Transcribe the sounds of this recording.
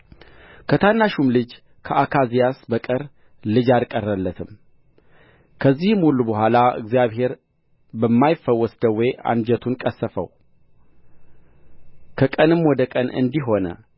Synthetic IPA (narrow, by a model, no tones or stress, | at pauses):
kʰət̪ʰanːaʃumlɨd͡ʒ | kʰəʔakʰazijasbəkʼɨɾ | lɨd͡ʒalkʼərːəlːət̪ʰɨm | kʰəzːihmulːubəhʷalaɨ̰ɡzjaβɦe̞ɾ | bəmːajɪfːəwːɔsd̪əwːea̰nd͡ʒɛt̪ʰunkʼəsːəfə̰w | kʰəkʼənɨmwɔd̪əkʼənɨ̰nd̪iɦo̞nə̰